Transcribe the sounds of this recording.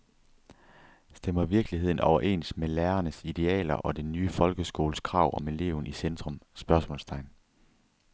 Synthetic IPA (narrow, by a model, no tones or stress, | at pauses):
sd̥emɐʋiɐɡ̥liɦe̝ð̞̰ˠn̩ɒʊɐʔe̝̰ːnsmelæːɐnəsid̥e̝ɛ̰ːlɐ̰ʔɒ̽d̥enːyːfɒ̽lɡ̥əsɡ̥o̝ːləskʰʁɑ̈ʊ̰ʔɒ̽me̝le̝̰ʊn̩isend̥ʁɔ̽msb̥ɶɐsmɔ̰̽ːlst͡sʰɑ̈ɪn